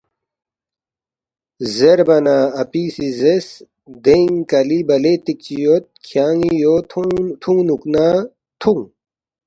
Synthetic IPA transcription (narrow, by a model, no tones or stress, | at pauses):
zeɾbɐnaːɐpiːsizes | d̪eŋkɐlibɐlet̪ik̚t͡ɕijot̪̚kʰjaːŋijot̪ʰt̪ʰũŋnuknaː | t̪ʰuŋ